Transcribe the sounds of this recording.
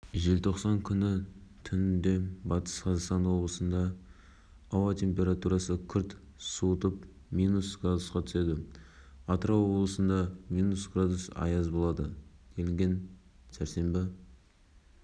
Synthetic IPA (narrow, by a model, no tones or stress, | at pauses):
ʒelt̪ʰo̞qsɑŋkʲʰʏnɪt̪ʰʏnɪnd̪e̞bɑt̪ə̥sqʰɑzɑqst̪ɑnwo̞blˠəsənd̪ɑː | wɑt̪ʰʲe̞mpʲe̞ɾat̪uɾɑsəkʲʰʏɾt̪ | suət̪əp | mijnusɡ̥rad̪usqɑt̪ʰʏ̥se̞d̪ɪ | ɑt̪əɾɑwwo̞blˠəsənd̪ɑmijnusɡrad̪usɑ̰jɑzbo̞lˠɑd̪əkʲʰelɪŋɡʲe̞nsæɾse̞mbɪ